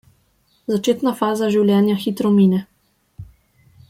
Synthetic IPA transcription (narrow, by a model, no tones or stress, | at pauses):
zat͡ʃeːt̪nafaːzaʒiwljɛːnjaxiːt̪ɾɔmiːnɛ